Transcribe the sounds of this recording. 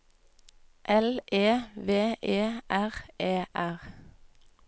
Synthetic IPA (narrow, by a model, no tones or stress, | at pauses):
ʔɛlʔeːʋeːʔeːʔæʁʔeːʔæʁ